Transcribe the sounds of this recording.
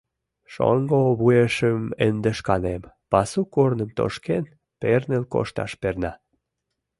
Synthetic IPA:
ʃo̰ŋɡoβueʃəmend̪əʃkɑnem | pɑsukornəmt̪o̰ʃken | pernelko̰ʃt̪ɑ̰ʃpernɑ

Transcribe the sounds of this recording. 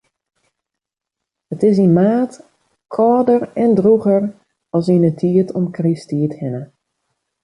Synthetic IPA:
ətɪsinmaːt | kʰɔːdərɛndruɣər | ɔlˠsinətʰiətʰɔmkristiəthɪnə

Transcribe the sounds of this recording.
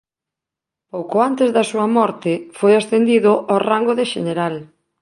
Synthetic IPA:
powkoant̪ezðɐsuɐmɔɾt̪ɪfojasθend̪iðʊʔɔraŋɡoðeʃeneɾal

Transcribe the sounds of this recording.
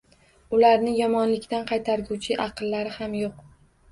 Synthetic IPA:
ʊlaɾnɪjɒmɒnlɪkʲt̪anqʰɑjt̪ʰaɾɡʲut͡ʃʰɪʔɑqɨlˠːaɾɪhamjoq

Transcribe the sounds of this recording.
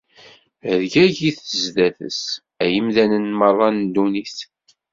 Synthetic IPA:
əðɡæʝiθəzðæθə̰s | æjəmðænənmərˤːɑnd̪uniθ

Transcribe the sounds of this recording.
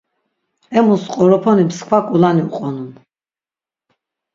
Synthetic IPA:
ɛmusqʼɔɾɔpʰɔnimskʰwakʼulaniuqʼɔnun

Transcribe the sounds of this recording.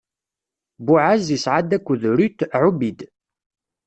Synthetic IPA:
bʊʕazisʕad̪ækʷːəðɾut̪ʕubid̪

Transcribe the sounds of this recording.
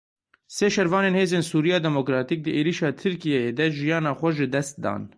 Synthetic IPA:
seːʃɛɾvɑːneːnheːzeːnsuːɾijɑːd̪ɛmokɾɑːt̪ik̚d̪ɨʔeːɾiːʃɑːt̪ʰɨɾkijɛjeːd̪ɛʒijɑːnɑːxʷɛʒɨd̪ɛst̪̚d̪ɑ̰ːn

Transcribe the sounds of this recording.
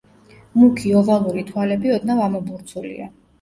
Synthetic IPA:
mukʰiɔvalˠuɾit̪ʰwalɛbiɔd̪navamɔbuɾt̪sʰulḭa̰

